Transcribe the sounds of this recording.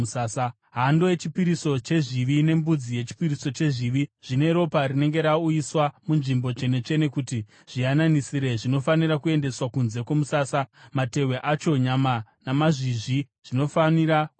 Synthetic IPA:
aːsa | ɦandoje̞t͡ʃipiɾiso̞t͡ʃe̞ʐiʋine̞mbud͡zije̞t͡ʃi̥piriso̞t͡ʃe̞ʐiʋiʐ̥ine̞ɾo̞parine̞ŋɡe̞ɾauiswamunʐimbo̞t͡ʃe̞ne̞t͡ʃe̞ne̞kuti | ʐ̥iananisiɾe̞ʐino̞faniɾakue̞nde̞swakunze̞kwomusaːsamate̞we̞ʔat͡ʃo̞ɲamanamaʐiʐi | ʐ̥ino̞faniɾak

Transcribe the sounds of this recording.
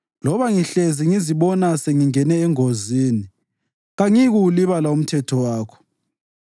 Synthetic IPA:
lɔβaŋiɬeziŋiziβɔnaseŋiŋɛnɛːŋoziːni | ɣaŋiɣuliβalaum̩tʰɛtʰɔwaːkʰɔ̥

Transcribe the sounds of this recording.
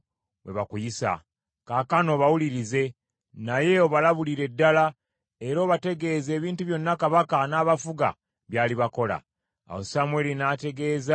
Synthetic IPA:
we̞̰βa̰kujisa̰ | kaːkano̞ːβawuliɾize̞ | naje̞o̞βalaβuliɾe̞dːala | e̞ɾo̞ːβate̞ɡe̞ːze̞ːβiːntuβjo̞nːakaβakanaːβafuɡa̰ | βjaːliβako̞la̰ | a̰wo̞̰samwe̞linate̞ɡe̞ːza

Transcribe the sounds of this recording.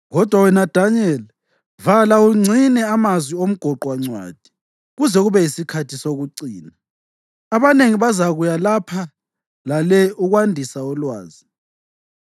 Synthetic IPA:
ɣɔd̥ʱwawɛnad̥ʱanɛl | valauŋ͡ǀʱinɛamazwiom̩ɡ̥ʱɔǃwaŋ͡ǀwa̰ːd̥ʱi̥ | ɣuzɛɣuβɛjisikʰatʰisoɣuǀiːna | aβaneŋiβazaɣujalapʰa | lalɛuɣwandʱisaɔlwa̰ːzi

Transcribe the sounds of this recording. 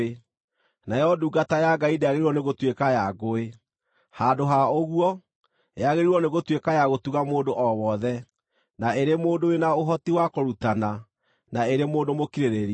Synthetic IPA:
najɔduːɡatajaɡaideaɣeɾiɾwɔneɣotwekajaɡoe | hadoɦaoɣuwɔ | j̰aɣeɾiɾɔneɣotwekajaɣotuɣamoːndoʔɔwɔðɛ | naeɾemoːndowenaoɦɔtiwakoɾutana | naeɾemoːndomokiɾeɾeɾi

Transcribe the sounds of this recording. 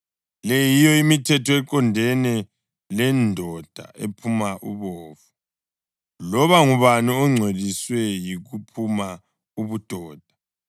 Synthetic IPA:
lɛjijɔimitʰɛtʰɔɛǃɔndʱɛnɛ | lɛndʱɔd̥ʱa̰epʰumaʔṵβɔːfu | lɔβaŋuβaniɔŋ͡ǀʱweðiswɛjiɣupʰuma | uβud̥ʱɔːd̥ʱḁ

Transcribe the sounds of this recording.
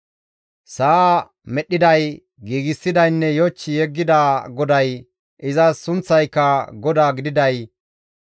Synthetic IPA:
saː | mɛɗːɪd̪ɐj | ɡiːɡɪsːɪd̪ɐjnːɛjoːt͡ʃːɪjɛɡːɪd̪aːɡɔd̪ɐj | ʔɪzɐsʊnt͡sːɐjkːɐɡɔd̪aːɡɪd̪ɪd̪ɐj

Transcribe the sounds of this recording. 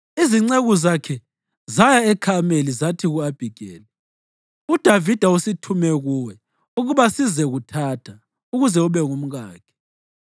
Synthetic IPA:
iziŋ͡ǀeɣuzakʰɛ | zajaɛkʰamelizatʰiɣuab̥ʱiɡ̥ʱɛ̰ːlɛ | ud̥ʱavid̥ʱausitʰumɛɣuwɛ | uɣuβasizɛɣutʰatʰa | uɣuzɛuβɛŋum̩ɣaːkʰɛ̥

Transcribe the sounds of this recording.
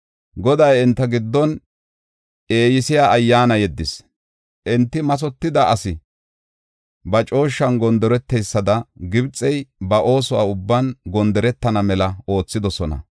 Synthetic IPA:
ɡɔd̪ɐjɪnt̪ːɐɡɪd̪ːɔn | e̞ːjɪsɪjaːɐjːaːnɐjɛd̪ːɪs | ʔɪnt̪ːɪmɐs̬ɔt̪ːɪd̪ɐʔɐsɪ | bɐt͡ʃʼo̞ːʃːɐnɡɔnd̪ɔɾɛt̪ːɛjsːɐd̪ɐɡɪbt͡sʼːɛjbɐʔo̞ːsɔa̰ːʊbːɐnɡɔnd̪ɔɾɛt̪ːɐnɐmɛlɐo̞ːt͡sːɪd̪ɔsɔnɐ̰

